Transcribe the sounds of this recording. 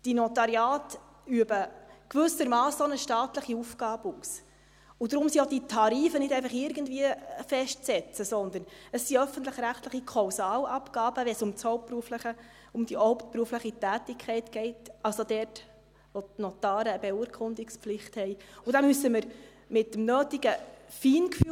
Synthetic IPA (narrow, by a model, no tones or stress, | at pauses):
d̥inɔtɑɾjɑːt | yəbəkʋʏsəɾmɑːsonəʃtɑːtləχiufɡ̥ɑːbuːs | ʊdɾʊmsioditʰɑɾiːfənɪdɛɪfɑχɪɾɡəndviəfɛʃtt͡sɛt͡səsɔnd̪əɾnəsːiœfən̩tləχɾæχtləχikʰɑwsɑːlɑpɡ̥ɑːb̥əʋɛsʊmt͡shɔʊp̚pɾuəfləχə | ʊmd̥iʔɔʊpt̚pɾuəfləχitæːtɪkʰɛɪtɡ̥ɛɪtɑlsod̪ɛːrt | ʋɔnɔt̪ɑːɾəːbɛuəɾkʰχʊnd̪ɪkspflɪχthɛɪud̥ɑmysəməɾ | mɪt̚dəmnøːtiɡ̥əfiːnkfyː